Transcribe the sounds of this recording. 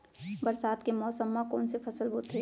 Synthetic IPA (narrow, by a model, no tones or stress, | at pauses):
bɐɾsaːd̪kemɔːsəmːakɔ̰ːnsepʰɐsəlbʱʊt̪ʰːeː